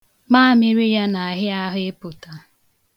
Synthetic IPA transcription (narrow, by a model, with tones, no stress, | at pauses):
maː˦˨mɪ˦ɾi˦ja˦na˨a˨ɦɪ˦a˦ɦʊ˦e˦pʊ˨ta˨